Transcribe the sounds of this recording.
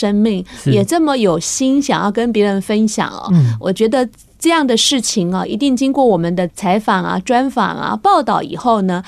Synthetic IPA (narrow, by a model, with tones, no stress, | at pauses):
ə˥ŋmi˥˩ŋjɛ˨˩ʈ͡ʂɤ˥˩mə˨jo˨˩ʊɕi˥nɕjɑ˨˩ŋjɑ˥˩ʊkə˥npjɛ˧˥ɻə˧˥nfə˥nɕjɑ̰˨˩˦ŋɐ̰˦wɔ̰˨˩t͡ɕɥɛ˧˥d̪ə˧ | ʈ͡ʂɤ˥˧jɑ˥˩ŋd̪ə˩ʂɻ̩˥˩t͡ɕʰi˨˩ŋɐ̰˧ʔḭ˧˥t̪i˥˩ŋt͡ɕi˥ŋkwɔ˥˩wɔ˨˩mə˦nd̪ə˧t͡sʰa˧˥ɪfɑ˨˩ŋɐ̰˦ʈ͡ʂwa˥nfɑ̰˨˩ŋɐ̰˦pɑ˥˧ʊt̪ɑ˥˩ʊḭ˨˩xo˥˩ʊnə˩